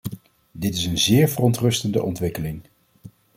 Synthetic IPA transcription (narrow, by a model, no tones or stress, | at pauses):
dɪtɪsənzɪːɹvərɔntrɵstəndə̰ʔɔntʋɪkəlɪŋ